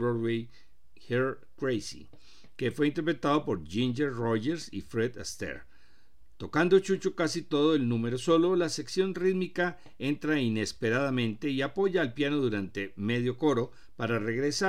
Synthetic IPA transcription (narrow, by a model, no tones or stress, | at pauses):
oɾwe | heɾ | kɾejsḭ | ke̞fwe̞int̪e̞ɾpɾe̞t̪aðo̞po̞ɾd͡ʒind͡ʒeɾroʝeɾsifɾeðast̪ḛɾ | t̪o̞kand̪o̞t͡ʃut͡ʃokasit̪o̞ðo̞elnũme̞ɾo̞so̞lo̞lase̞ksjo̞nriðmika | e̞nt̪ɾaine̞spe̞ɾaðamẽ̞nt̪e̞iapo̞ʝaːlpjano̞ðuɾant̪e̞me̞ðjo̞ko̞ɾo̞ | paɾare̞ɣɾe̞sa